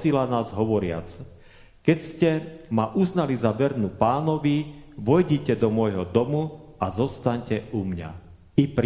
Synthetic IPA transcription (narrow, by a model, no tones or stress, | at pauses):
silanaːzɦɔʋɔɾɪa̰t͡s | kɛcscɛmaʔuznalizaʋɛɾnupaːnɔʋiʋɔjɟicɛd̪ɔmɔjɦɔd̪ɔmuazɔst̪aɲcɛʔumɲa̰ | ipɾ